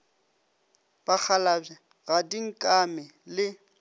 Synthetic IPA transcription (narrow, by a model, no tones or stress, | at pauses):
b̥ak͡xʰala | ɣadiŋ̩kʼamɪ | lɪ